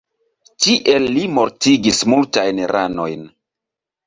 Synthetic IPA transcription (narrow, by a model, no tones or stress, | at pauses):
tiʔelːimo̞ɾtiɡismultajnɾʔano̞̰jn